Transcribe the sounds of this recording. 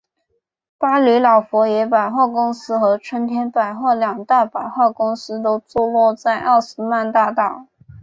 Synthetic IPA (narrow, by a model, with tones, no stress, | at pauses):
pa˥ly˧˥lɑ˨˩ʊfwɔ˧˥jɛ˧˥pa˨˩ɪxwɑ˥˩kʊ˥ŋsɹ̩˥xɤ˧˥ʈ͡ʂʰwə˥nt̪ʰjɛ˥npa˨˩ɪxwɑ˥˩ljɑ˨˩ŋt̪a˥˩pa˨˩ɪxwɑ˥˩kʊ˥ŋsɹ̩˥t̪̬o˥ʊt͡swɔ˥˧lwɔ˥˧t͡sa˥˧ɪʔa˥˩ʂɹ̩˥ma˥˧nt̪a˥˧t̪ɑ˥˩ʊ